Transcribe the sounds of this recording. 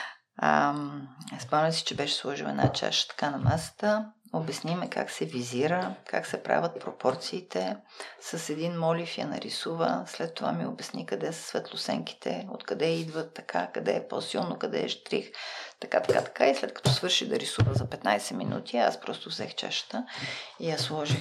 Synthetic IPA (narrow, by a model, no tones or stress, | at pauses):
spanəsi̥t͡ʃɛbɛʃɛ̥slˠɔʒilɛ̰d̪a̰t͡ʃa̰ʃə̥t̪ɐ̥kanɐmɛsə̥t̪əobɛsnimɛkʰa̰ksɛviziɾəka̰ksɛpɾa̰vʲət̪̚pɾopɔɾt̪siːt̪ʰɛ | səsɛd̪inmɔlifja̰nɐ̰ɾisuvə̰slɛt̪ːova̰miobɛsnikɐd̪ɛsə̥svɛt̪lˠʊsɛ̰ŋki̥t̪ʰɛ̰o̰t̪kɐd̪ɛid̪vət̪ːɐ̥kʰa̰kɐd̪ɛ̰ɛposilˠnokɐd̪ɛ̰ːʒt̪ɾḭxt̪ɐkat̪ɐ̥kat̪ɐ̥kaislɛt̪kɐ̥t̪ɔsvɤɾʃiɣd̪ɐɾisuvəzɐpɛt̪najsɛminṵt̪ʰia̰spɾɔst̪ʊvzɛ̰xt͡ʃa̰ʃə̥t̪əiaslˠɔʒi